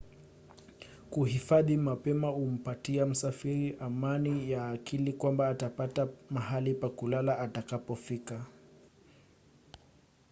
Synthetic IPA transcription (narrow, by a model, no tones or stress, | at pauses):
kuɦifaðimapɛmaum̩patiam̩safiɾiʔamanijaːkilikwambaːtapatamaɦalipakulalaatakapɔfika